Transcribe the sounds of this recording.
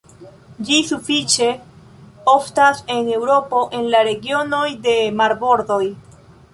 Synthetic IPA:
d͡ʒisufit͡ʃe̞ | oftase̞ne̞wɾo̞po̞ʔe̞nlaɾe̞ɡio̞no̞jde̞maɾbo̞ɾdo̞j

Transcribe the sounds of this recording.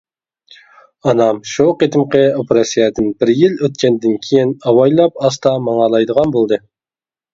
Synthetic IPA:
ɑnɑmʃuqet̪ʰɪmqəopeɾɑsijɛd̪ɪnbɪɾjiløt̪̚kʲɛnd̪ɪnkʲʰejinɑwɑjlˠɑp̚ɑst̪ɑmɑŋɑlˠɑjd̪əʁɑnbolˠd̪ɨ

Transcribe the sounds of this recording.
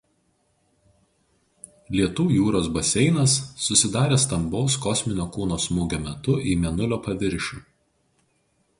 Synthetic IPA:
lʲiɛt̪uːjuːɾoːsbɐsʲɛɪnɐsːʊsʲɪd̪ɑːɾʲeːst̪ɐmbɒʊskɔsʲmʲɪnʲoːkuːnoːsmuːɡʲoːmʲɛt̪ʊʔiːmʲɛnʊlʲoːpɐʋʲɪɾʲʃʲuː

